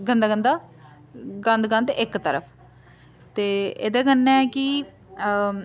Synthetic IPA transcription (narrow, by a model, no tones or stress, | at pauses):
ɡənd̪aːɡənd̪aː | ɡə̃nd̪ɡə̃nd̪ɪkt̪əɾə̰pʰ | t̪eːḛːd̪ɛːɡənːɛɛːkɪ